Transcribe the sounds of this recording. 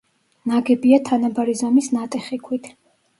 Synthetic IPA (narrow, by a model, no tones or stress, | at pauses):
naɡɛbiat̪ʰanabaɾizɔmisnat̪ʼɛχikʰwit̪ʰ